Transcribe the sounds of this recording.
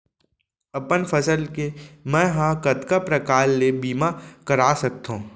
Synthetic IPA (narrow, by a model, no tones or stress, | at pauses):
ɐpənfʰɐsəlkemɛ̃ːɦãkɐt̪kapɾɐkaːlːebiːmakɐɾaːsɐk̚t̪ɦõː